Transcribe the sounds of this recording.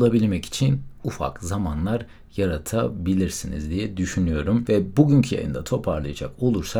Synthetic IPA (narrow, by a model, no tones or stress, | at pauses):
lˠabilʲmɛci̥t͡ʃʰinufa̰kzamanlˠaɾ | jaɾat̪ʰabilʲiɾsinḭzd̪ijɛd̪yʃynyjo̞ɾumvɛbuɟyɲcʰija̰jɯ̰nd̪at̪ʰo̞pʰaɾlˠajad͡ʒa̰ko̞lˠuɾsa